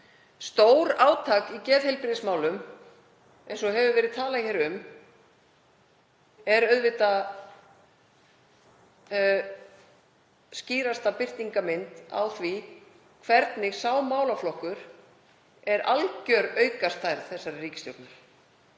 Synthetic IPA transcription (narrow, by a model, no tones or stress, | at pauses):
st̪oːwɾaːwt̪ʰaːkicɛːðhɛjlpɾɪðɪsmaːwlʏm | ɛjnsɔɦɛvʏvɛːɾɪðt̪ʰaːlaçɛːɾʏm | ɛɾœɥðvɪt̪a | sciːɾast̪apɪr̥t̪iŋkamɪnt̪a̰wθvi | kʰvɛɾt̪nɪɣsaːwmaːwlaflɔhkʏɾ̥ | ɛɾʔalcœɾœɥkast̪ʰajɾθɛsːaɾriːcɪ̥st̪joknaɾ̥